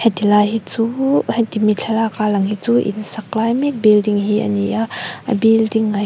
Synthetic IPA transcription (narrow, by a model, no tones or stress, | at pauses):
hɛtilaɦit͡suhɛt̪imit͡ɬʰalakalɐŋhit͡suʔḭnsaklajmik̚bildiŋɦiʔə̰niʔaə̰bildiŋːa